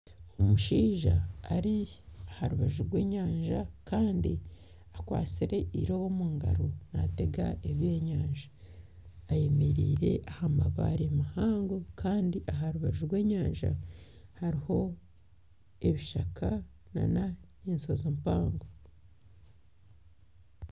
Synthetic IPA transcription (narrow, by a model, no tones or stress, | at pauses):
omuʃiːʒa̰ːɾiahaɾuβaʒuɾɡwe̞ːɲaːɲʒakaːndi | akwa̰ːt͡siɾe̞ʔḭɾo̞βo̞muːŋɡa̰ɾo̞na̰te̞ɡa̰eβje̞ːɲaːɲʒaː | jemiɾiːɾe̞̰ʔahamaβa̰ɾemahaːŋɡokaːndiʔaɦaɾuβaʒuɾɡwe̞ːɲaːnʒa̰haɾiho̞ | eβiʃaka | na̰na | ensozompaːŋɡo